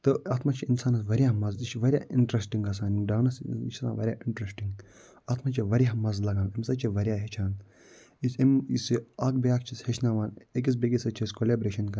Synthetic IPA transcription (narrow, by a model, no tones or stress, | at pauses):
t̪ɨaːt̪mat͡ʃʰiinsaːnɐsʋɐɾʲjaːmɐzit͡ʃʰʋɐɾʲjaːiɳʈɾesʈiŋɡɐs̬aːnɖaːnɐsit͡ʃʰa̰ʋɐɾʲjaʔiɳʈɾesʈiŋɡ | aːt̪mat͡ʃʰiʋɐɾʲjamɐzlɐɡãːnemsɐt͡ʃʰiʋɐɾʲjaːɦet͡ʃʰaːn | isemisiaːk̚bejaːk̚t͡ʃʰishet͡ʃʰnaʋaːnek̬is̬beɡʲisɐt͡ʃʰiskolʲeːbɾeːʃɐnkɐ